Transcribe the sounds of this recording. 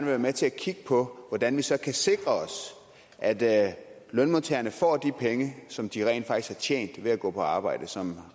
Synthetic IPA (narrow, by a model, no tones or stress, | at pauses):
nʋe̝ʋæːɐmet͡sʰe̝ækʰiɡ̥̚əpʰɒ̽ʋɒd̥ænʋisɒ̽kʰæse̝ɡ̥ʁɐɒ̽s | ʔæd̥ | lœnmont͡sʰeːɐnəfɒ̰ːd̥ipʰeŋəsɒ̽md̥iʁɛ̰ɪ̰nd̥fɑ̈ɡ̥ishɑ̈t͡ɕʰjḛːnd̥ʋe̝æɡ̥ɔ̰̽ːpʰɒ̽ɑ̈ːb̥ɑ̈ɪ̰d̥əsɒ̽m